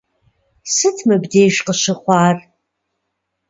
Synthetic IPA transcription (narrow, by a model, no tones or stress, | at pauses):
sɨtʰmɨbdeːʒqəʃɨχʷɑːr